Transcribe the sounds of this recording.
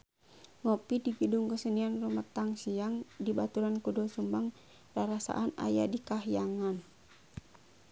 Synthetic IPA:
ŋɔpidiɡəduŋkəsənianrumat̪aŋsiaŋdibat̪uɾankudɔsumbaŋ | raɾasa̰ʔana̰jadikaɦijaŋan

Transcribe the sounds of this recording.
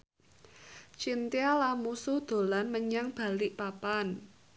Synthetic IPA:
t͡ʃint̪ialamusud̪̥o̤lanməɲaŋb̥a̤liʔpapan

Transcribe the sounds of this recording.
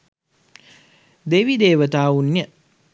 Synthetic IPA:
d̪eʋid̪eːʋət̪aːunjə

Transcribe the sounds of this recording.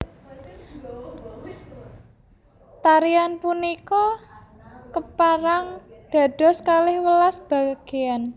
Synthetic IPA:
t̪aɾianpunikɔ | kəpaɾaŋd̪̥a̤ɖ̥ɔ̤skalɪhwəlasb̥a̤ɡ̥e̤an

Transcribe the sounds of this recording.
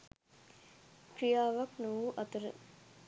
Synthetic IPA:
kɾijaːʋaknuʋuʔɐt̪əɾə̰

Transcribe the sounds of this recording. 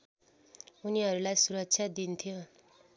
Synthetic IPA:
uniɦʌɾulajsuɾʌk̚t͡sʰjad̪int̪ʰijo

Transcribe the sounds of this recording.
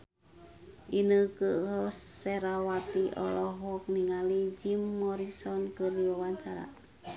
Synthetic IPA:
ʔinəkəʔɦɔsːɛɾawat̪iʔɔ̰lɔɦɔk̚niŋalid͡ʒimːɔɾisɔnkərdiwawaɲt͡ʃaɾa̰

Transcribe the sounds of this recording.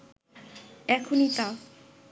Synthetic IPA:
ɛkʰonit̪a

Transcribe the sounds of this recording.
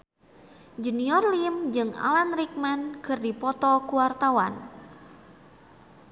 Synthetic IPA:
d͡ʒuniɔrlimd͡ʒɨŋa̰lanrik̚mɛnkɨrdipɔt̪ɔkuwart̪awa̰n

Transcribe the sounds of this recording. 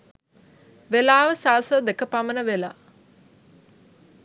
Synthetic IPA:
ʋelaːʋəsaːsəd̪ekəpamənəʋela̰

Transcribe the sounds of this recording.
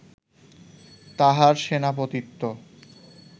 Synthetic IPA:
t̪aɦaɾʃenapot̪it̪ːo

